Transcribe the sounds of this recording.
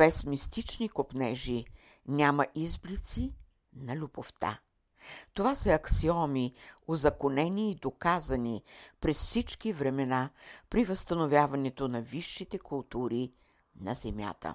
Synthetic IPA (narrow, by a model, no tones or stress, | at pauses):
pɛsmist̪it͡ʃnikopnɛʒi | nʲamɐʔizblit̪si | nɐlʲuboft̪a̰ | t̪ovasɐɐksiɔmiozɐkonɛniːd̪okazɐnipɾɛsfsit͡ʃkivɾɛmɛnapɾivɐst̪ɐnovʲjavɐnɛt̪onɐviʃːit̪ɛkʊlˠt̪uɾi | nɐ̰zɛmʲja̰t̪ə̰